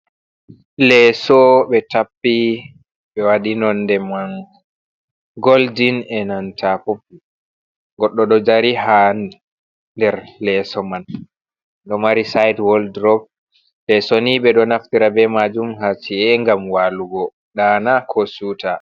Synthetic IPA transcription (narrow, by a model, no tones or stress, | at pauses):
lɛsɔɓɛtapːi | ɓɛwaɗinɔndɛman | ɡoldinɛnantʰafopːi | ɡɔɗːɔɗɔd͡ʒaɾiɦan | ndɛɾlɛsɔman | ɗɔmaɾisajdwɔldɾɔb̚ | lɛsoniɓɛɗɔnaftiɾabɛmad͡ʒumɦasiɛŋɡamwaːluɡɔ | ɗaːnakʰosuta